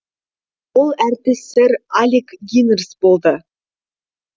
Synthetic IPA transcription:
wolˠæɾt̪ɪsːɪɾalʲikɡʲinərsbo̞lˠd̪ə

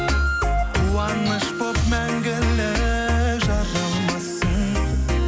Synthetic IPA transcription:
qulˠɑnəʃbop̚mæŋɡʲɪleʒɑɾɑlˠmɑsən

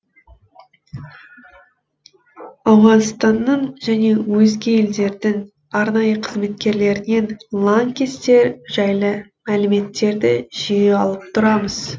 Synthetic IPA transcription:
ɑwʁɑnst̪ɑnːəɴʒæne̞wɵzɡʲɪje̞ld̪e̞ɾd̪ɪŋ | ɑɾnɑjəqʰəzme̞t̪̚kʲe̞ɾle̞ɾɪne̞nlˠaŋkʲest̪e̞ɾʒ̥æjlˠə | mælɪme̞t̪ːe̞ɾd̪ɪ̰ʒ̥ijeɑlˠəp̚t̪ʰʊɾɑməz̥

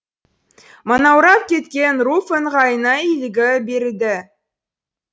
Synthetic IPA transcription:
monɑwɾɑp̪̚kʲʰe̞t̪kʲe̞nrufəɴʁɑjənɑilɪɡʲɪbeɾd̪ɪ

